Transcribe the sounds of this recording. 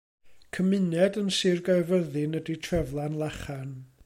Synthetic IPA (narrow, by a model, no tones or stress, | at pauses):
kʰəmɨnɛdənsɪrɡajvəðɪnəditʰrɛvlˠanlˠaχan